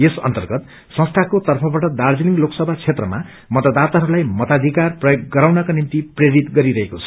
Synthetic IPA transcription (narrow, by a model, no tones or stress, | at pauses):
esʌ̰nt̪ʌrɡʌt̪ | sʌ̃st̪ʰakot̪ʌrpʰʌbaʈʌd̪ard͡ziliŋɡloksʌbʱat͡sʰet̪rʌma | mʌt̪ʌd̪at̪aɦʌɾulajmʌt̪ad̪ʱikarprʌjoɡɡʌɾawnʌkanimt̪ipreɾit̪ɡʌɾiɾʌɦekot͡sʰʌ̥